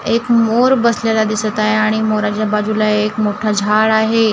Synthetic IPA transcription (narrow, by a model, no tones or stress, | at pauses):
ekmoɾbəsljalad̪isət̪aɦeaɽ̃imoɾat͡ɕjabad͡ʑulaeːkmoʈʰad͡ʑʱaɭaɦe